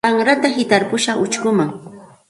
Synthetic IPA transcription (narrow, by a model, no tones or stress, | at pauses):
aŋɾat̪ahɪt̪aɾpʊʃaχʊt͡ʃkʊmaŋ